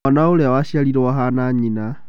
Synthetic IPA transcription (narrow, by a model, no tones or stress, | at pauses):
anaoleawaʃialiɾowaɦanaɲina